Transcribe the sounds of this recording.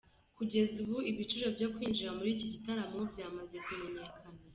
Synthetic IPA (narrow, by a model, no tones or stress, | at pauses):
kuɟe̞zuβuiβit͡ʃuʒabɟokwiːnd͡ʒiɾamuɾiːciɟitaɾamo̞bɟaːmaze̞kume̞ɲe̞kʰana